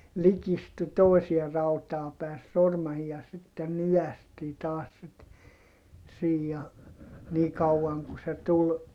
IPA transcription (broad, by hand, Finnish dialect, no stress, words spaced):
likistu toˑisie rɑutɑː pæˑe se sormɑhiː jɑ sitːen nyæstiː tɑːs sit siːj jɑ niː kɑuɑŋ ku se tul